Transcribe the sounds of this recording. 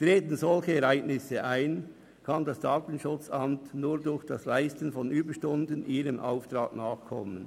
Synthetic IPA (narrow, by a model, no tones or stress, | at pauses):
tʁeːtən̩zɔlçəɛʁaɪɡnɪsəʔaɪn | kʰɑndɑsd̥aːtən̩ʃʊt͡sʔɑmtnuːʁdʊçd̥ɑslaɪstənfɔnʔyːbəʃtʊndənʔiːʁəmʔa̰ʊftʁaːtnaːχkʰɔ̰mən